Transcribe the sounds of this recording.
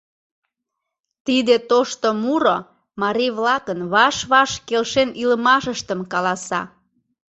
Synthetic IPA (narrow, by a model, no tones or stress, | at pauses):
t̪id̪et̪oʃt̪omuɾo | mɑɾijβlɑkənβɑʃβɑʃkelʃeniləmɑʃəʃt̪əmkɑlɑsɑ̰